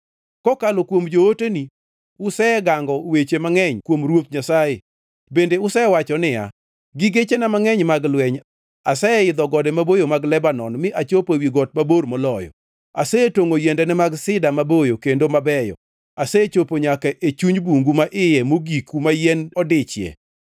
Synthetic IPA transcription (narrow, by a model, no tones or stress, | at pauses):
kɔkalokwomd͡ʒooteni | ʊsɛɡaŋɡɔwet͡ʃemaŋɛɲkwomɾwot̪̚ɲasaje | bendeʊsɛwat͡ʃɔnɪja̰ | ɡiɡet͡ʃenamaŋɛɲmaɡlwɛɲ | asɛɪd̪ɔɡɔdɛmabojomaɡlɛbanɔnmɪʔat͡ʃopowiɡɔt̚maboɾmɔlɔjɔ̰ | a̰sɛtoŋojɛndɛnɛmaɡsɪdamabojokendomabɛjɔ̰ | asɛt͡ʃopoɲakaʔet͡ʃuɲbuŋɡumaʔɪjɛmoɡikumajɛnɔdɪt͡ʃjɛ̰